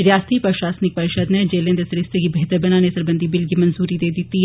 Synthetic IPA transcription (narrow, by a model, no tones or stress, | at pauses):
ɾjaːst̪ipɐʃaːsnɪk̚pɐɾɪʃəd̪ned͡ʒeːlẽnd̪esɐɾɪst̪ekibʱeːt̪əɾbɐnanesɐɾbənd̪ʱibɪlɡimɐ̃nzuːɾid̪eːd̪ɪt̪iɦ